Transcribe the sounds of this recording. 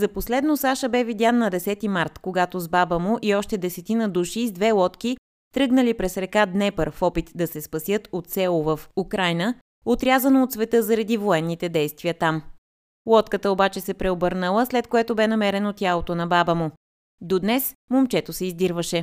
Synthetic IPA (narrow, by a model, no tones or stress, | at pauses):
zɐposlɛd̪nosaʃəbɛvid̪ʲanːɐd̪ɛsɛt̪imaɾt̪koɡat̪ozbabəmoʊʔiɔʃt̪ɛd̪ɛsɛt̪inəd̪uʃizd̪vɛlˠɔt̪k̟i | t̪ɾɤɡnəlipɾɛsɾɛkad̪nɛpəɾfɔpit̪d̪ɐsɛspɐsjɤt̪ot̪sɛlˠovəfukɾajnə | ot̪ɾʲjazɐnoːt̪svɛt̪ɤzɐɾɐd̪ivoɛnːit̪ɛd̪ɛjst̪viət̪am | lˠɔt̪kət̪əobat͡ʃɛsɛpɾɛobɤɾnəlˠəslɛt̪̚koɛt̪obɛnɐmɛɾɛnot̪ʲjalˠot̪onɐbabəmo | d̪od̪nɛsmomt͡ʃɛt̪osɛizd̪iɾvəʃɛ